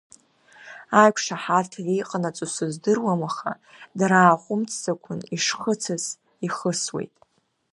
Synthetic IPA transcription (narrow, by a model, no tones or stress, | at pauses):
ajkʷʰʂaħartʰarijqʼanat͡sʼusɨzdɨrwamaχa̰ | daɾaːχʷʊmt͡sʰzakʷʰʊniʂχət͡sʰaz | iχəswḛjtʼ